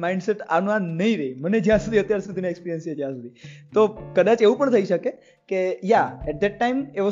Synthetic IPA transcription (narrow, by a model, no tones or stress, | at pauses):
maĩɳɖseʈanũanəɦĩɾeiməned͡ʒjãsud̪ʱiət̪jaɾsud̪iineekspiɾijənsed͡ʒjãsud̪ʱit̪okəd̪ãt͡ʃeʋũpəɳt̪ʰəiʃəke | kejaɛʈ̚d̪ɛʈːaimeʋo